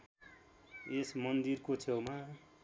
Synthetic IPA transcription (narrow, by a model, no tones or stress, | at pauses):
esmʌnd̪irkot͡sʰewma